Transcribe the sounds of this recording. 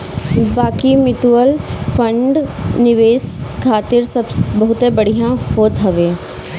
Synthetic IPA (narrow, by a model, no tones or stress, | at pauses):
baːkimɪʈ̪uəlfʰə̃ɳɖnɪʋeːskʰaːt̪ɪɾsɐbsbɐɦʊt̪ẽbɐɽijãɦoːt̪ɦɐʋeː